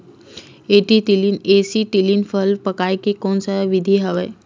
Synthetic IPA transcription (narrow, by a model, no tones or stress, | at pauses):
eʈiʈilinesiʈilinfʰəlpəkajkekonsaʋid̪ʱiɦəʋe